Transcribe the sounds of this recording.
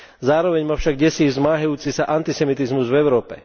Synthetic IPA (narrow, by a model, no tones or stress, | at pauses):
zaːɾɔʋɛɲmaːfʃaɡɟɛsiːzmaːɦajuːt͡siːsaʔant̪isɛmit̪izmuzvɛʊɾɔːpɛ̰